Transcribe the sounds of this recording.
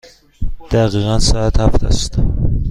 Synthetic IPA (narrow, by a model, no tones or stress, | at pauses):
d̪̥æɣiːɣænsææt̪hæft̪ʰæ̰st̪